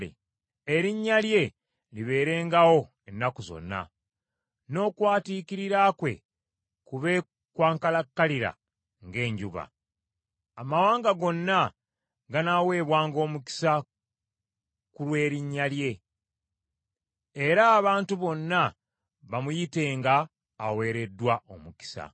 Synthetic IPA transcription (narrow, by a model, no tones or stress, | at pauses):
ḛ | eɾiɲːalje̞ | liβe̞ːɾe̞ːŋɡawo̞ | enːakuzo̞̰nːa̰ | no̞ːkwaːtiːkiɾiɾaːkwe̞̰ | kuβe̞ | kwaːŋkalakːaliɾa̰ | ŋɡe̞ːɲɟuβa̰ | amawaːŋɡaɡo̞nːa | ɡanawe̞ːβwaːŋɡo̞ːmuki̥sa | kulwe̞ːɾiɲːalje̞ | ɾaːβaːntuβo̞nːa | βamujite̞ːŋɡaː | we̞ːɾe̞dːwaʔo̞muki̥sa̰